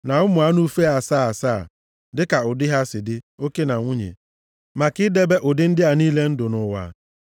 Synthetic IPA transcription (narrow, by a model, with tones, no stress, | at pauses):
na˨ʊ˦mʊ˨a˦nu˦fe˦a˨saː˦˨saː˦˨ | dɪ˦ka˨ʊ˨dɪ˦ɦa˦sɪ˨dɪ˦o˦ke˦na˨ŋʷu˦ɲḛ˨ | ma˨kɪ˦de˦be˦ʔʊ˨dɪ˦n̩˦dɪ˦a˨niː˦le˦n̩˦dʊ˨nʊ˨wa̰˨